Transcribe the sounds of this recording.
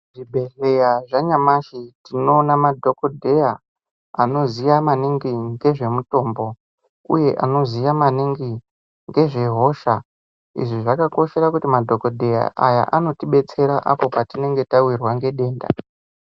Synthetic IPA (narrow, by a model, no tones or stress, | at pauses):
ʐibʱe̞ɮe̞jaʐaɲamaʃitino̞ːnamadʱo̞ko̞dʱe̞ja | a̰no̞zijamaniŋɡiŋɡe̞ʐe̞muto̞ːmbo̞ | ṵje̞ʔano̞zijamaniŋɡi | ŋɡe̞ʐe̞ɦo̞ːʃa | ḭʐiʐakako̞ʃe̞ɾakutimadʱo̞kodʱe̞ja̰ʔaja̰ʔano̞tiɓe̞t͡se̞ɾaʔapo̞patine̞ŋɡe̞tawirwaŋɡe̞ɗe̞ːnda̰